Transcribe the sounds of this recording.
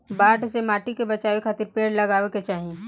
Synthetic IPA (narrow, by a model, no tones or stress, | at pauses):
baːʈsemaːʈikebɐt͡ʃaːʋekʰaːt̪ɪɾpeːɽlɐɡaːʋeket͡ʃaːɦi